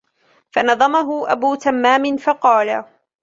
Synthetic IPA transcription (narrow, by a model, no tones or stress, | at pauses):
fanɑðˤɑmaɦʊʔa̰buːt̪amːaːmɪnfɑqɑːla